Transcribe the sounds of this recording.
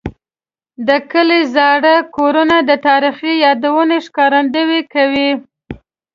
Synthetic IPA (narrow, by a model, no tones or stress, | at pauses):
d̪əkəlezɑɽəkoɾunad̪ət̪ɑɾixijɑd̪awəneʃkɑɾand̪əwekawi